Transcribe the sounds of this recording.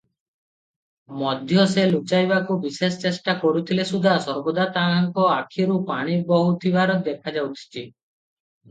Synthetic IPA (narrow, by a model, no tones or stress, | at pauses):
mɔd̪ʱjɔselut͡ʃajbakubisest͡ʃesʈakɔɽut̪ʰilesud̪ʱasɔɾbod̪at̪aŋkɔakʰiɾupaɽ̃ibɔɦut̪ʰibaɾɔd̪ekʰad͡ʒawt̪ʰi̥t͡ʃʰi